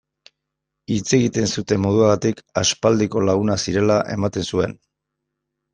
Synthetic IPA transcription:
it͡se̞ɣit̪e̞nsut̪e̞mːo̞ð̞uaɣat̪ikaspald̪iko̞laɣ̞unasiɾe̞laʔe̞mat̪e̞nsue̞n

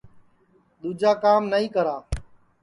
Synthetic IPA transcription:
d̪uːd͡ʒaːkaːmnəĩːkəɾaː

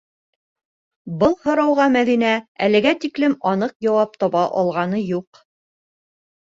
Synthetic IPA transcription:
bɤlˠhŏɾɑwʁɑmæðinæælɘ̆ɡæt̪iklɘmɒnɤqjɑwɑp̚t̪ɒβɑʔɒlˠʁɑnɤjuq

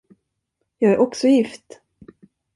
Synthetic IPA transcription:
jɑːɡæɾʔɔksɔjɪft̪

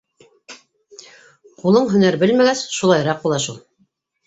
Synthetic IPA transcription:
qulˠɤɴɦɵ̆næɾbɘlmæɡæsʃulˠɑjɾɑq̚bulˠɑʃulˠ

